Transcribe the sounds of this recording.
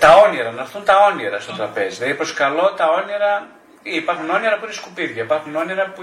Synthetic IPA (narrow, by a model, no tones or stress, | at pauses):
t̪ɐo̞niɾɐnɐfθunt̪ɐo̞niɾɐst̪o̞t̪ɾɐpe̞zilɐðipɾo̞skɐlo̞t̪ɐo̞niɾɐ | iipɐɾxuno̞niɾɐpuineskupiðʝɐipɐɾxuno̞niɾɐpu